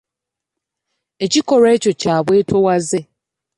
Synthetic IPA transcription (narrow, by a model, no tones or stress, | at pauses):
et͡ɕikɔɾet͡ʃot͡ʃabwetʰowaze